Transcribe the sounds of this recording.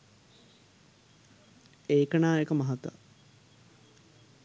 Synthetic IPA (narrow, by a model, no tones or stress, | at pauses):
eːkənaːekəmɐɦat̪ːa̰